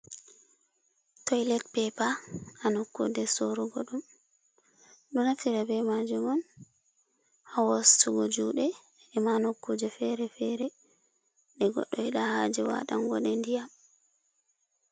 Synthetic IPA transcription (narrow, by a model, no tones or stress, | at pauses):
tɔjlɛtpɛpaanokːṵdɛsoɾuɡɔɗum | ɗunafiɾabɛmad͡ʒumɔn | hawostuɡɔd͡ʒuɗɛː | manokːud͡ʒɛfɛɾɛfɛɾɛ | ɗɛɡɔ̰ɗːɔɛɗahad͡ʒɛwa̰ɗa̰ŋɡɔɗɛndijam